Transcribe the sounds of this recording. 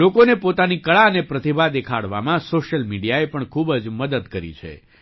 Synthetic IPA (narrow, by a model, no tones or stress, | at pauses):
lokonepot̪anikəɭaənepɾət̪ibʱad̪ekʰa̰ɽʋa̰mãsoʃəlmiɖijaepəɳkʰubd͡ʒməd̪əd̪kəɾḭt͡ʃʰḛ